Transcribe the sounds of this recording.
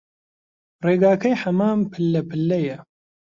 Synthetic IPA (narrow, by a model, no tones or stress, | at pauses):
reːɡaːkɐjħɐmaːmpʰɨlːɐpʰɨlːɐjɐ